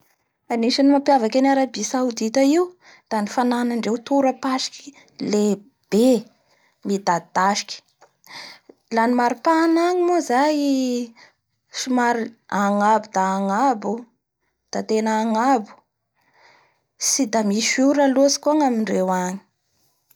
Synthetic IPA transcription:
aniʃanimapjavakʲanaɾabisawd̪it̪aiw | d̪̥anifananaɳɖ͡ʐewt̪uɾəpaʃi̥kʰi | le | b̥e | mid̪ad̪aʃi̥kʲi̥ | lanimaɾipanaɲimozaj | simaɾiaŋabud̪aːŋabu | d̪̥at̪enəːŋabu̥ | sid̪amiʃuɾalosi̥kuaŋamiɳɖ͡ʐewaŋi̥

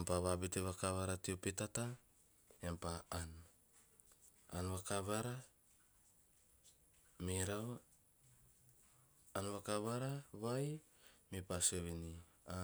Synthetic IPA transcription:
ampaβabiteβakaβaɾatiopitata | jampaan | a̰nβakaβaɾa | miɾaw | anβakaβaɾaβaj | mipaseβini | a

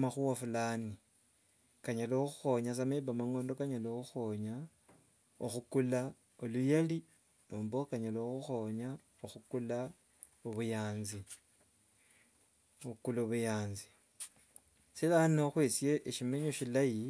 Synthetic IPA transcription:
maxuwafulaːni | kaɲaloxuxo̞ɲas̬ameβamaŋo̞ːndo̞kaɲaloxuxoɲa | oxukula | olujali | noːmbokaɲaloxuxoɲa | oxukula | oβujaːnzi | oukuloβujaːnzi̥ | silanoxwesje̞ʔeʃimeɲo̞ʃilaji

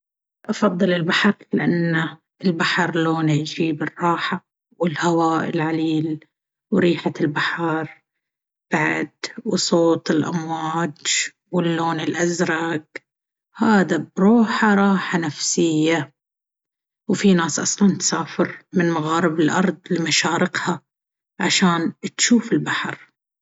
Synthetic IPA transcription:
ʔɑfɑðˤːɨlɪlbaħɑɾˤlɪʔanːa | ɪlbaħɑɾˤloːnd͡ʒiːbɨrˤːɑːħa | wɪlhawaːʔɪ̰lʕaliːl | wɾiːħaɪlbaħɑɾˤ | b̥aʕd̪wsˤoːt̪ˤɪlʔa̰mwaːd͡ʒ | wɪlːoːnɪlʔazɾˤɑɡ | haːd̪abɾuːħaɾˤɑːħanafsɪjːa | wfinaːsʔɑ̰sˤlɑnt̪saːfɪɾmɪnmaɣaːɾɪbɪlʔɑ̰ɾˤd̪ˤlɪmaʃaːɾɪqha | ʕaʃaːnt̪ʃuːfɪlbaħɑɾˤ

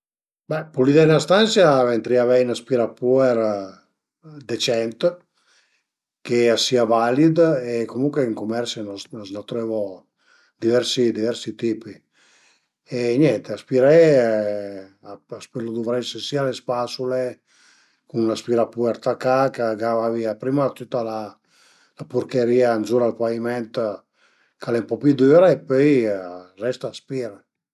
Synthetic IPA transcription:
bɛpulid̪ɛnast̪ansjavent̪ɾiavɛjnaspiɾapuɛɾ | d̪et͡ʃɛnt̪ | keasiavalid̪ekomuŋkweiŋkumɛɾsnɔnɔznɔt̪ɾɛvɔ | d̪ivɛɾsid̪ivɛɾsit̪ipi | eɲjɛnt̪easpiɾɛ | aaspelod̪uvɾɛsesialespasule | kunlaspiɾapuɛɾt̪akakaɡavaviapɾimat̪ut̪ːala | lapuɾkeɾiːanzuɾalpaimɛnt̪ | kalɛmpɔpid̪yːɾaepøjrɛst̪aːspiːɾe

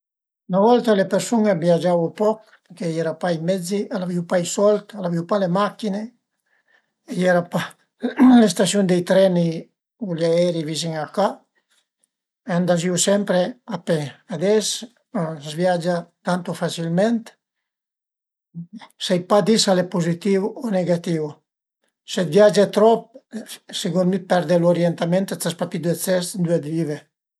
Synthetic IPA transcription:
ynavɔlt̪alepeɾsuŋebjad͡ʒawupɔk | peɾkejɛɾapaijmɛd͡ziʔalaviwpajsɔlt̪alaviwpalemakine | ejɛɾapa | lest̪asjund̪ejt̪ɾɛni | uljaɛɾivis̬iŋaka | eand̪aziusɛmpɾeapead̪ɛs | zvjad͡ʒat̪ant̪ufasilmɛnt̪ | sajpad̪isalepuzit̪iwɔneɡat̪iw | sed̪vjad͡ʒet̪ɾɔp̚seɡunmipɛɾd̪eloɾjɛnt̪ament̪at͡s̪aspapid̪et͡sɛsd̪yed̪vive

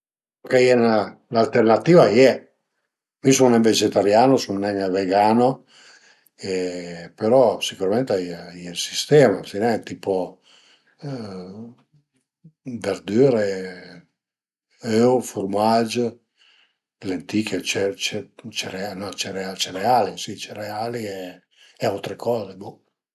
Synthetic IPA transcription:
kejɛnalalt̪ernat̪iːvajɛ | misunɛmved͡ʒɛt̪aɾjaːnosunnɛŋveɡaːno | epeɾɔsikuɾament̪jɛlsi̥st̪ɛːmafinɛŋt̪ipo | veɾd̪yːɾe | øwfurmad͡ʒ | lent̪iːkʰet͡ʃɛt͡ʃɛt͡ʃɛɾeanɔt͡ʃɛɾeat͡ʃɛrealisit͡ʃɛɾealiɛː | alt̪ɾekʰɔːzebu

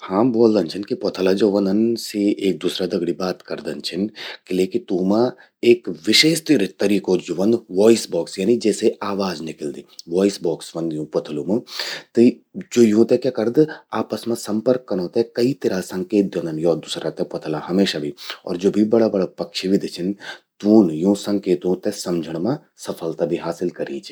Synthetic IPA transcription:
hãːboːld̪ɐnt͡ʃʰɪnkipot̪ʰəlad͡ʒoːʋɐnd̪ənseʔeːk̚d̪uːsɾad̪ɐɡɽibaːt̪kɐɾd̪ɐnt͡ʃʰɪnkɪleːkit̪uːmã | eːkʋɪʃeːʃt̪ɾɪt̪ːɐɾiːkod͡ʒoʋɐnd̪ʋɔːisbɔːksjaːnid͡ʒɛːseaːʋaːd͡ʒnɪkəld̪eːʋɔːɪsbɔːksʋɐ̃nd̪jũpɐt̪ʰəlumɐt̪ɨ | d͡ʒoːjũt̪ekjaːkɐɾd̪aːpəsmãsɐ̃mpəɾkːɐnõːt̪ɛkɐit̪ɐɾasɐ̃ŋkeːt̪̚d̪õnɐnjɔːɾd̪usɾat̪ɛpɐt̪ʰəlaɦɐmeːʃabʱiɔ̰ːɾd͡ʒoːbʱibɐɽabɐɽapɐkʃibʱid̪ʱit͡ʃʰɪnt̪uːnjũsɐ̃ŋkeːt̪õt̪esɐmd͡ʒʱəɽ̃mã | sɐfʰəlt̪abʱiɦaːsɪlkɐɾiːt͡ʃʰi̥

